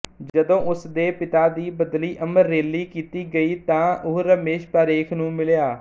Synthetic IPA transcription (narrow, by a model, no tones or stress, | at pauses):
d͡ʒəd̪õːʔʊsd̪eːpɪt̪aːd̪iːbəd̪liːʔəməɾːeːlːiːkiːt̪iːɡəiːt̪ãːʊɦɾəmeːʃpaːɾeːkʰnũːmɪljaː